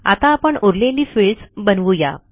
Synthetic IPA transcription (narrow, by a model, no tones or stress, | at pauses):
a̰t̪aːpəɳoɾleliːfiɭɖsbənʋuja̰